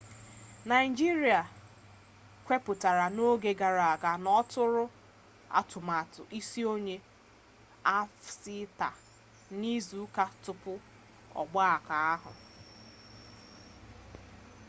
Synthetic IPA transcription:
na˨ɪ˨d͡ʒi˦ɾi˨a˨ | kʷe˦pʊ˨ta˨ɾa˨no˦ɡe˨ɡa˨ɾa˨a˨ɡa˨nɔ˦tʊ˦ɾʊ˦ | a̰˦tʊ˨ma˨tʊ˨ʔi˦si˦o˦ɲe˦ | a˦fsi˦ta˨ | ni˦zu˨˦ka˦tʊ˨pʊ˦ | ɔ̰˨ɡ͡ba˦a˨ka˨a˦ɦʊ̰˨

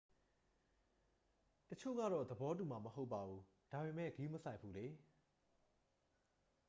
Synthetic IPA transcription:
tət͡ɕʰo̰˦˨ɡä̰˦˨ɾɔ˦˨d̪əbɔ˦t̬u˨ma˨məɦo˦ʊpːa˨bu˨ | d̥a˨be˨mɛ̰˦˨ɡi˦məsã˦ɪpʰːu˦˨le˨

